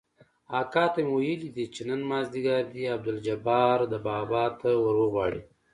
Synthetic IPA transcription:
ɑkɑt̪ajmwajəlid̪it͡ʃenənmɑːzd̪iɡaɾd̪iab̚d̪ʊld͡ʒabɑɾd̪əbɑbɑtt̪awəɾwəɣwɑɽi

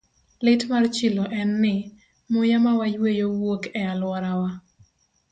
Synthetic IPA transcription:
lɪtmart͡ʃiloʔɛnːɪ | mʊjamawajwejowokɛalwɔɾawa

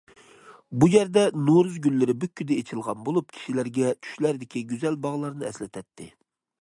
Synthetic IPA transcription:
bujæɾd̪ɛnoɾuzɡʲylːɪɾɪbykʲːyd̪ɛet͡ʃʰilˠʁɑnbolˠup̚kʲʰi̥ʃilæɾɡʲɛt͡ʃʰy̥ʃlæɾd̪ɪkʲiɡʲyzɛlbɑʁlˠɑɾnɨɛ̰slɪt̪ʰɛt̪ʰːɪ̰

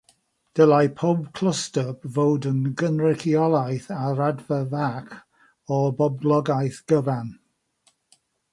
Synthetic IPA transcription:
d̥əlˠajpʰɔbkʰl̥əstəbvowdənɡənɹɪkʰiɔlˠajθaɾadvəvakʰ | ɔbɔblˠɔɡajθɡ̥əvan

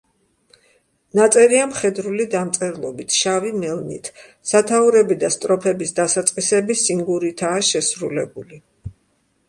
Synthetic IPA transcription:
nat̪sʼɛɾiamχɛd̪ɾulid̪amt̪sʼɛɾlˠɔbit̪ʰʃavimɛlˠnḭt̪ʰ | sat̪ʰauɾɛbid̪ast̪ʼɾɔpʰɛbisd̪asat̪sʼqʼisɛbisiŋɡuɾit̪ʰaːʃɛsɾulɛbuli

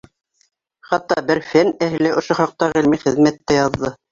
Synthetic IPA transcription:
χɑt̪ːɑbɘɾfænæhɘ̆læʔŏʃoχɑq̚t̪ɑʁɘ̆lmiχɘ̆ðmæt̪ːæjɑðːɤ

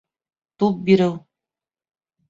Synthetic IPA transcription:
t̪up̚biɾɘw

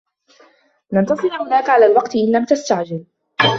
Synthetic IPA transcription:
nɑnt̪ɑsˤɨlhʊnaːkaʕalaːlwɑqt̪ʔɪnːamt̪ast̪aʕd͡ʒɪl

